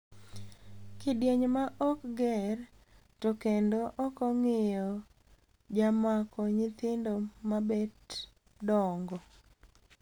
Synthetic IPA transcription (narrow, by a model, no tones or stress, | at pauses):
kɪdjeɲmaʔɔkɡɛr | tokendoʔɔkɔŋɪjɔ | d͡ʒamakɔɲɪt̪ɪndomabed | dɔŋɡɔ